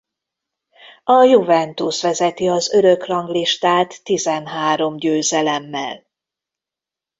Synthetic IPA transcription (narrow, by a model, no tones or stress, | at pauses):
ɒjuvɛnt̪usʋɛzɛt̪iɒzø̞ɾø̞krɒŋɡliʃt̪aːt̪ːizɛnɦaːɾo̞mɟøːzɛlɛmːɛ̰l